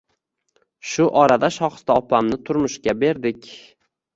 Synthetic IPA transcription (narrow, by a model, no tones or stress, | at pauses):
ʃʊʔɒɾad̪aʃɒχɨ̥st̪aɒpamnɪt̪ʰʊɾmʊʃkʲabe̞ɾd̪ɪkʲ